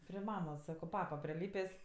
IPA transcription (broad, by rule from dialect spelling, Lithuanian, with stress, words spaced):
pʲrʲɪ ˈmɑːmoːs ˈsɑːkoː ˈpɑːpɐ pʲrʲɪˈlʲiːpʲeːsʲ